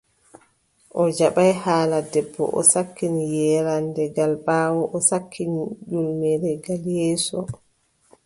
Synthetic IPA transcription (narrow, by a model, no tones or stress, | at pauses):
ʔɔd͡ʒaɓajhaːladɛbːɔ̰ʔɔ̰sakːinijɛːɾandɛɡalɓaːwɔʔɔsakʰːinid͡ʒulmɛɾɛɡaljɛːsɔ